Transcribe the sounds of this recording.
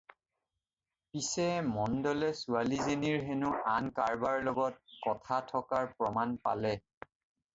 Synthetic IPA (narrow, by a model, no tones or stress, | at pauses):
pisɛmɔndɔlɛsualizeniɹɦenuankaɹbaɹlɔɡɔt̚kɔtʰatʰɔkaɹpɹɔmanpa̰lɛ